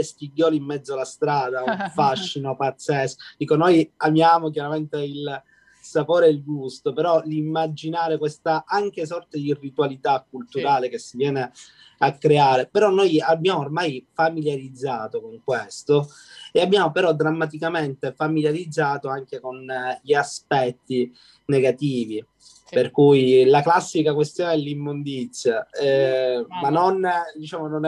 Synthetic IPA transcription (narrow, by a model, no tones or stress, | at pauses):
espiɟːɔːliimːɛd̪zːoalast̪ɾaːd̪auɱfaʃːinopat̪sːɛsd̪iːkonojamjaːmok̬jaɾament̪eil | sapoːɾeilɡust̪opeɾɔlimːad͡ʒinaːɾekwest̪aʔaŋk̟esɔrt̪ed̪irːit̪uwalit̪akːult̪uɾaːlekesːivjɛːne | akːɾeaːɾepeɾɔnːojabːjaːmormajfamiljaɾid̪zːaːt̪okoŋkwest̪o | eabːjaːmopeɾɔd̪ɾamːat̪̬ikament̪efamiljaɾid̪zːaːt̪oaŋkekonʎiaspɛt̪ːi | neɡat̪iːvi | perkujlaklasːikakwest̪joːneɛlːimːond̪it̪sːjaɛmanːond̪it͡ʃaːmonon